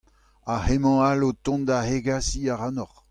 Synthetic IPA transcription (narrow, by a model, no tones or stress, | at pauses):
ahemɑ̃alot̪ɔ̃nd̪aheɡasiaʁanɔχ